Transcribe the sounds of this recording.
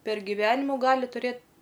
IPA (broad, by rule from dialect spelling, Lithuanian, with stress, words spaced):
pʲɛr ɡʲɪˈʋʲæːnʲɪmʊ ˈɡɑːlʲɪ tʊˈrʲeːt